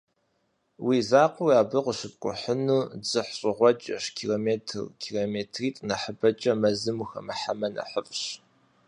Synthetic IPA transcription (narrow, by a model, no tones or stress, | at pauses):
wʔizaːqʷʊwjaːbɨqʷəɕɨp̚ʼkʷʼʊ̰ħənuːd͡zɨħɕʼɪʁʷɔt͡ʃʼɐʃkʰiloːmeːtʰɨ̰rkʰiːlomeːtʰriːtʼnɐħəbɐt͡ʃʼɐmɐzɨmuxɐ̰mɐħamɐnɐ̰ħəfʼɕ